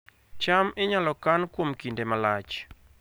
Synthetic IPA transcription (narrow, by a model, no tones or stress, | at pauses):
t͡ʃamɪɲalɔkankwomkindemalat͡ʃ